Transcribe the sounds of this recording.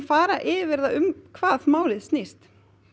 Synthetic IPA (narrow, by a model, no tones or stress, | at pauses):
faːɾaʔɪːvɪɾðaʏmkʰvaːðmaːwlɪðst̪nist̪